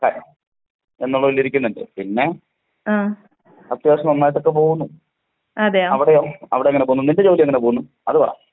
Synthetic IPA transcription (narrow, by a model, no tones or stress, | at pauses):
ka | enːuɭːɐʋilːiɾikʲːunːɐndɨ̰pinːe̞ | aː | ɐt̪ːjaːsɐmɐnːaːjt̪ːo̞kːe̞p̬o̞ːɣunːu | ɐd̪eaɐʋiɽejoɐ̰ʋiɽeɐŋɐnepoununinded͡ʑoːlijɐŋːɐnep̬oːɣunːu | ɐðɨpɐ̰ɐ̰